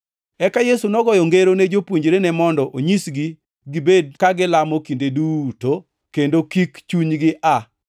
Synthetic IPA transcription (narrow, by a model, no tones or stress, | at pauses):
ɛkajesunɔɡɔjɔŋɡeɾoned͡ʒopwoɲd͡ʒɾenɛmɔndɔʔoɲisɡi | ɡɪbed̚kaɡɪlamɔkindeduto | kendokikt͡ʃuɲɡɪʔa